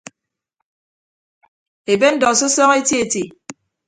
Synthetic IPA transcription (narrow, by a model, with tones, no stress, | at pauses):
e˨be˦n̩˦dɔ˨so˦sɔː˦ŋe˦ti˦e˨ti˨